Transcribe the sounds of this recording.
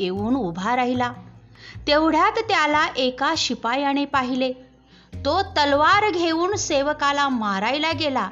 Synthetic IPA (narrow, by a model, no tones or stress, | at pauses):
euːnubʱaɾaɦila | t̪eʋɽ̤jat̪ːjalaʔekaɕipajaɽ̃epaɦile | t̪ot̪əlʋaɾɡʱeuːɳseʋəkalamaɾajlaɡela